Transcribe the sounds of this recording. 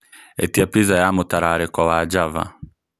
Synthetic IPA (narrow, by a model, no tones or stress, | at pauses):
ɛtiapizajamutaɾaɾɛkwawad͡ʒava̰